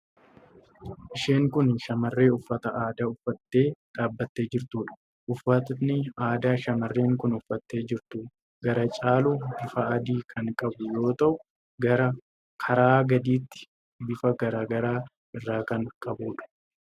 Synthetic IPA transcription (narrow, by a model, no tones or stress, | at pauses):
ʔɪʃe̞ːŋkʊnʃɐmɐrːe̞ːʊfːɐt̪ɐʔaːd̪aʊfːɐt̪ːe̞ːᶑ̪aːbːɐt̪ːe̞ːd͡ʒɪɾt̪uːᶑɐ̥ | ʔʊfːɐt̪nɪaːd̪aːʃɐmɐrːe̞ːŋkʊnʊfːɐt̪ːe̞ːd͡ʒɪɾt̪ʊ | ɡɐɾɐt͡ʃʼaːlubɪfɐɐd̪iːkʰɐŋkʼɐbʊjo̞ːt̪ɐʔʊ | ɡɐɾɐ | kʰɐɾaːɡɐd̪iːt̪ːɪ̥ | bɪfɐɡɐɾaːɡɐɾaː | ɪrːaːkɐŋkʼɐbuːᶑɐ̥